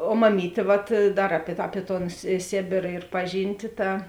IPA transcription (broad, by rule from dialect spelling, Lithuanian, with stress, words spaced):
oː mɐˈmʲiːtʲeː ʋɐt ˈdɐr ˈɑːpʲiɛ tɐ ˈɑːpʲiɛ toːn sʲeː ˈsʲeːbʲeːrɐ ɪr ˈpɑːˌʒʲiːnʲtʲɪ ˈtɐ